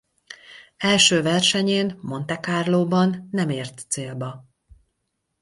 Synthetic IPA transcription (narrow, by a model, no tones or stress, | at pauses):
ɛlʃøːvɛrʃɛɲeːnmo̞nt̪ɛkaːrloːbɒnːɛmeːrt̪seːlbɒ